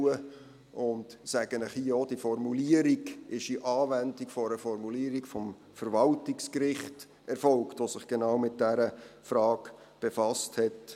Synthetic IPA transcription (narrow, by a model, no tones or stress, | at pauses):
uə | ʔʊntsæɡ̥ənɪχhiəɔd̥ifɔrmuliəɾiɡɪʃiʔɑːvændikfɔɾəfɔɾmuliəɾikfɔm | fəɾvɑltɪkskɾɪχt | ɛrfɔlktvosɪχɡ̥enɑwmɪt̚d̥æɾəfɾɑːɡ | b̥efɑsthɛt